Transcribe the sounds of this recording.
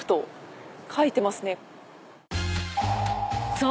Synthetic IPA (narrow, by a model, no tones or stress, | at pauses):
ɯ̟̥t̪o̞ | kʰait̪e̞masɨne̞ | so